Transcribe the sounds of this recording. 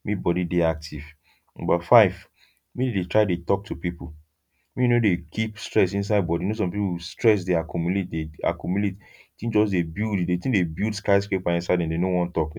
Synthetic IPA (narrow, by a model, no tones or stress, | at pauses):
mibɔdideak̚tʰiv | nɔ̰̃mbafaɪv | miidetʰɹaɪdetɔk̚tʰupipu | minodekʰipstɹɛsĩns̬aɪd̚bɔdinosɔ̃mpipustɹɛs̬deakɔmulet̚dea̰kɔmuletitĩd͡ʒɔsdebildidetĩdebildskaɪskepbaĩnsaɪdɛ̃ndenowɔ̃ntɔk